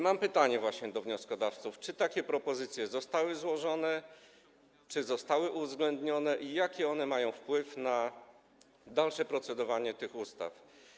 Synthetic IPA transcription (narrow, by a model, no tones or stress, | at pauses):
mampɘt̪aɲɛvwaɕɲɛd̪ɔvɲɔskɔd̪aft̪suft͡ʂɘt̪akʲɛpɾɔpɔzɘt̪sʲjɛzɔst̪awɘzwɔʐɔnɛ | t͡ʂɘzɔst̪awɘʔuvzɡlɛnd̪ɲɔnɛʔijakʲɛɔnɛmajɔ̃w̃fpwɘfna | d̪alʂɛpɾɔt̪sɛd̪ɔvaɲɛt̪ɘxust̪a̰f